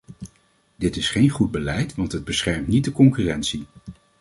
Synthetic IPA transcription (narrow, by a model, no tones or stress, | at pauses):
dɪtɪsχejnχud̚bəlɛjtʋɑntɦəd̚bəsχɛɹmtnit̚dəkɔŋkyːrɛntsi